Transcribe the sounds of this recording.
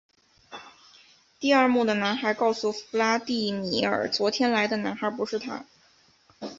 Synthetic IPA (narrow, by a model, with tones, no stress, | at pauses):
t̪i˥˧ɐ˞˥˧mu˥˩d̪ə˩na˧˥nxa˧˥kɑ˥˩ʊsu˥˩fu˧˥la˥t̪i˥˩mi˧˥ə̰˞˨˩t͡swɔ˧˥t̪ʰjɛ˥nla˧˥ɪd̪ə˧na˧˥nxa˞˧˥pu˧˥ʂɻ̩˥˩t̪ʰa̰˥